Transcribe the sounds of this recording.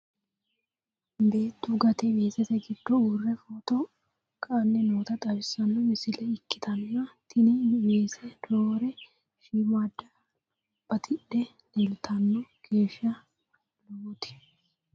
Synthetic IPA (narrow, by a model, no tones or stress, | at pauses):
be̞ːt̪ːuɡɐt̪ɛbeːsɛsɛɡɪd̪̥ːɔuːrːɛfot̪ɔ | kʼɐːnːɛnoːt̪ɐt̪ʼɐβɪsɐnːɔmɪsɪlɛɪkːɪt̪ʰɐnːɐt̪ɪnɪbeːsɛd̪̥oːɾɛ | ʃiːmaːd̪ːɐ | b̥ɐt̪ʰɪᶑɛ | nɛlt̪ʰɐnːɔkeːʃɐ | lut̪ɪ̥